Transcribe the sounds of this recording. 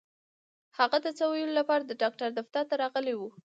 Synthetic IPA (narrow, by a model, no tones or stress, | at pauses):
haɣad̪ət͡sawajəlolapɑɾad̪əɖɑk̚ʈaɾd̪aft̪aɾt̪aɾɑɣəlewu